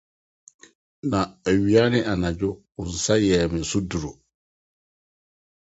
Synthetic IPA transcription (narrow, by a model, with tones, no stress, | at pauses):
na˨ɥi˨a˦nɪ˦ʔa˨na˨d͡ʒʊ˦kʊ˨n̩˨sa˦jɛː˨mɪ̃˨su˦du˨ɾo˨